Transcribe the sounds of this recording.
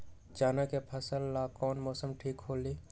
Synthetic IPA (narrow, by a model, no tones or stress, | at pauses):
d͡ʒaːnakepʰəsəlːakɔːnmɔːsəmʈʰiːkɦoːliː